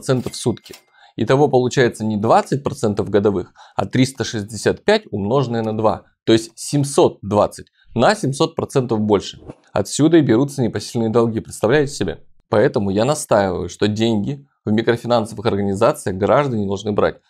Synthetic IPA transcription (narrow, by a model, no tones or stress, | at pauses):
t̪sɛnt̪əfsut̪kʲɪ̥ | it̪ɐvo̞pəlˠʊt͡ɕæjɪt̪sənʲɪd̪vat̪sɨt̚ʲpɾɐt̪sɛnt̪əvɡəd̪ɐvɨxɐ̰t̪ɾʲist̪əʂɨzʲdʲɪsʲat̪pʲætʲʊmno̞ʐɨnɨjənɐd̪va̰ | t̪o̞ɪsʲtʲsʲɪmʲso̞t̪̚d̪va̰t̪sɨtʲ | nɐsʲɪmʲso̞t̪̚pɾɐt̪sɛnt̪əvbo̞lʲʂɨ̥ | ɐ̰t̪sʲud̪əibʲɪɾut̪sənʲɪpɐsʲilʲnɨjəd̪ɐlˠɡʲipɾʲɪt̪st̪ɐvlʲæjɪtʲɪ̥sʲɪbʲḛ | pɐɛt̪əmʊjanɐst̪ajɪvə̰jʊʂt̪o̞dʲenʲɡʲɪ | vmʲɪkɾəfʲɪnansəvɨxɐrɡənʲɪzat̪sɨjəɣɡɾaʐd̪ənʲɪd̪ɐlˠʐnɨbɾa̰t̚ʲ